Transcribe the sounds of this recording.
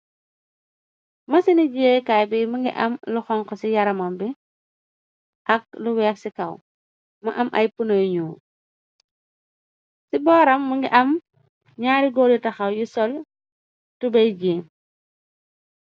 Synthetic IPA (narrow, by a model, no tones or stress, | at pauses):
mɐsiniɟeːkajbimɐŋɡḭʔɐ̰mluxɔŋkɔsijɐɾɐmɐmbi | ʔɐk̚luwɛːksikɐw | mɐʔɐmʔɐ̰jpunɐjɲuː | sibɔːɾɐmːɐŋɡiʔɐm | ɲaːɾiɡɔːlitɐxɐwjusɔl | tubɐjd͡ʒeːm